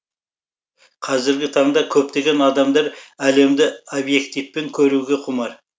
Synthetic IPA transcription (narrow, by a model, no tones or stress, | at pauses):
qʰɑzɪɾɡʲɪt̪ʰɑɴd̪ɑkʲʰɵp̚t̪e̞ɡʲe̞nɑd̪ɑmd̪ɑɾæle̞md̪ɪobje̞kt̪ijfpːe̞ŋkʲʰɵɾuɡʲe̞qʰʊmɑɾ